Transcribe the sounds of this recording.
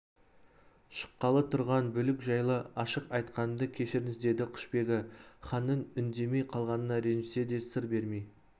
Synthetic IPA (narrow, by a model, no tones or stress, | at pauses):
ʃə̥qːɑlˠət̪ʰʊɾʁɑnbʏlɪkʒɑjlˠəɑʃəqɑjt̪qɑnd̪əkʲʰe̞ʃɪɾɪnɪzd̪e̞d̪ɪqʰʊ̥ʃpe̞ɡʲɪχɑnːənʏnd̪e̞me̞jqʰɑlˠʁɑnənɑɾe̞nʒɪse̞d̪e̞sɪɾbe̞ɾmej